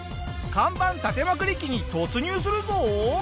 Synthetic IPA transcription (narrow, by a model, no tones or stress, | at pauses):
kãmbãnt̪at̪e̞makɯ̟ɾʲikʲiɲ̟it̪o̞t͡sɨɲ̟ʲɨːs̬ɨɾɯ̟zo